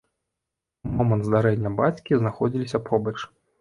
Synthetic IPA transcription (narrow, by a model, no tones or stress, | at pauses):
mɔmɐnt̪zd̪aɾɛnʲːɐbat͡sʲkʲiznaxɔd͡zʲilʲisʲɐpʰɔbɐt͡ʂ